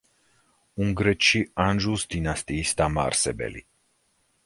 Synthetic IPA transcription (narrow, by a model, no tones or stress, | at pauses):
uŋɡɾet͡ʃianʒusd̪inast̪iist̪ama̰rsebḛlḭ